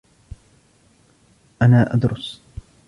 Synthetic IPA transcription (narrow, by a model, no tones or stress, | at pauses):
ʔanaːʔad̪ɾʊs